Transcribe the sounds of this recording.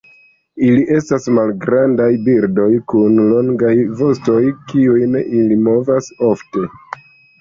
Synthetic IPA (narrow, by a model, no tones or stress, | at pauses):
iliʔe̞stasmalɡɾandajbiɾdo̞jkunlo̞ŋɡajvo̞sto̞jkiujneʔilimo̞vaso̞fte̞